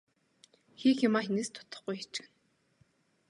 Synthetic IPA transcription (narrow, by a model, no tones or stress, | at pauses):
xiːximaːxineːst̪ʰʊ̥t̪ə̥̆χɡujxet͡ɕɪ̆n